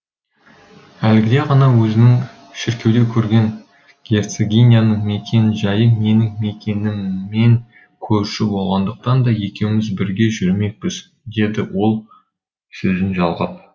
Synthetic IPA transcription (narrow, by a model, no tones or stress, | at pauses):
ælɡʲɪd̪e̞ʁɑnɑwɵzɪnɪŋ | ʃɪɾkʲe̞wd̪ekʲʰɵɾɡʲe̞ŋ | ɡʲe̞rt̪seɡʲenʲijanəɴme̞kʲʰe̞nɪʒɑjəme̞nɪŋme̞kʲe̞nɪmːe̞ŋ | kʲʰɵɾʃɪbo̞lˠʁɑnd̪əq̚t̪ɑnd̪ɑje̞kʲe̞wɪmɪzbɪɾɡʲe̞ʒʏɾme̞k̚pɪz | d̪e̞d̪ɪwo̞lˠ | sɵzɪnʒɑlˠʁəp̚